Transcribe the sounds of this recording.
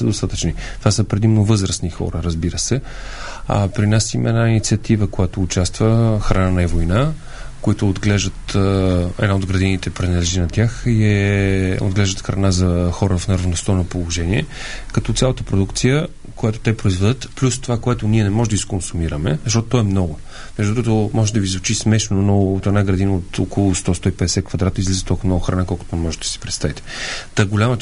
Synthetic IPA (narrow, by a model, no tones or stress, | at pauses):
səd̪ost̪at̪ə̥t͡ʃnit̪ovasəpɾɛd̪imnovɤzɾəsnixɔ̰ɾəɾəzbiɾəsɛ | a̰pɾinasimɐ̰ɛnainit̪siət̪ivəkojat̪oːt͡ʃast̪vəxɾɐnanɐɛvojna | koit̪ʊːd̪ɡlɛʒd̪ət̪ | ɛ̰d̪aod̪ɡɾɐd̪init̪ɛpɾɛnɐlɛʒinɐt̪ʲjaxɛ | o̰d̪ɡlɛʒd̪ət̪xɾʔɐ̰nazɐxɔɾəfnəɾvnost̪onɐpolˠoʒɛniɛkɐt̪ɔt̪sʲalˠət̪əpɾod̪ukt̪sijə | kojat̪o̥t̪ɛpɾoizvɛd̪ət̪plʲust̪ovakoɛt̪ʊniɛnɛmɔʒɛd̪iskonsumiɾəmɛ̰zəʃt̪ɔt̪ot̪ɔɛmnɔɡʊ | mɛʒd̪ut̪ɾkət̪omɔʒɛd̪ɐviːzvʊt͡ʃismɛʃnonoot̪ɛd̪naɡɾɐd̪inəot̪okolˠʊst̪ɔst̪ɔipɛd̪ɛsɛt̪̚kvɐd̪ɾat̪əizlizət̪ɔlˠkvmnɔɡʊxɾɐnakɔlˠkʊ̥t̪onɛmɔʒɛt̪d̪ə̥si̥pɾɛt̪st̪avit̪ɛ̥t̪aɡolʲamə